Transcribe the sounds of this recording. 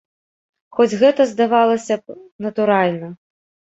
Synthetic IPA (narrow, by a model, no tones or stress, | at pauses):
xɔd͡zʲɣɛt̪ɐzd̪avalˠɐsʲɐnɐt̪uɾalʲnɐ